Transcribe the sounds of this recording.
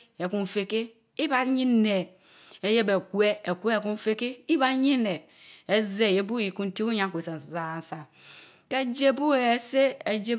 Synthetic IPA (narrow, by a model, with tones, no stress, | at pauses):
e˨ku˦ɱ˨fe˦ke˦ | i˦ba˦ɲi˦ne˨ | e˦je˦be˨ku˦e˦e˨kʷe˦e˨ku˦n˦fe˦ke˦i˦ba˦ɲi˦ne˨ | e˦ze˦˨e˦bu˦ji˨ku˦n˦ti˦u˦ɲa˦kʷe˨se˨za˨n˨sa˨ | ke˦d͡ʒe˦bu˦e˨se˦e˨d͡ʒe˦